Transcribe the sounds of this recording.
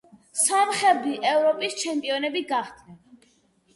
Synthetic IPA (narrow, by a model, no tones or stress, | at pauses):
samχɛd̪iʔɛvɾɔpʼist͡ʃʰɛmpʼiɔnɛbiɡaχd̪nɛn